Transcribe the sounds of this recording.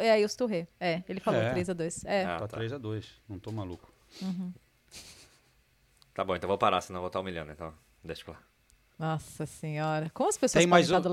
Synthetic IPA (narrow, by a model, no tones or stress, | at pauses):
iaiʊst̪uɦeɛelɪfalot̪ɾejzɐd̪ojsɛa̰at̪ɾejzad̪ojsnɐ̃w̃t̪omalukʊ̥ | ũɦ̩ | t̪abõẽt̪ɐ̃w̃vowpaɾasenɐ̃vowt̪aũmiʎɐ̃d̪ʊẽt̪ɐ̃w̃ | d̪eʃʊ̥kla | nɔsɐsẽɲɔɾɐkõmʊɐspesoɐẽsmaj̃zad̪ʊl